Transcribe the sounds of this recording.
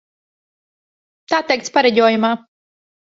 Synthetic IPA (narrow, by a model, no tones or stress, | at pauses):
t̪aːt̪ɛjk̚t̪spaɾɛɟʲɔːjumaː